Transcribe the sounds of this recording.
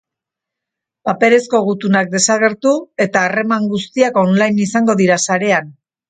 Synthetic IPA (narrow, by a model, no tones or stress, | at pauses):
pape̞ɾe̞sko̞ɣ̞ut̪unak̚d̪e̞saɣ̞e̞ɾt̪ue̞t̪aːre̞maŋɡust̪iako̞nlajnisaŋɡo̞ðiɾasaɾe̞an